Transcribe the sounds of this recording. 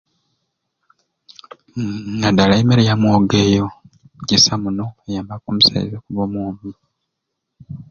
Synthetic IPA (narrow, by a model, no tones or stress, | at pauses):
ŋadalaemeɾejamwoːɡe̞ːjo̞ | ɟisamuno̞ejaːmbakomusa̰ḭzekuβomuːmi